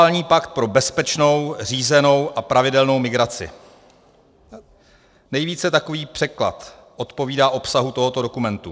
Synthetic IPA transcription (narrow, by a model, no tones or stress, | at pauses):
lɲiːpakt̪̚pɾo̞bɛspɛt͡ʃno̞wr̝iːzɛno̞wʔapɾavɪdɛlno̞wmɪɡɾat͡sɪ̰ | nɛjviːt͡sɛt̪ako̞viːpr̥ɛkla̰t̪ | ʔo̞t̪po̞viːdaːʔo̞psaɦut̪o̞ɦo̞t̪odo̞kumɛnt̪u